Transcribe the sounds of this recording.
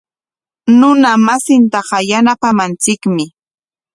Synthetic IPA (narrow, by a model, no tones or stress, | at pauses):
nʊnamasɪnt̪ɑɢɑjanapamant͡sɪkmɪ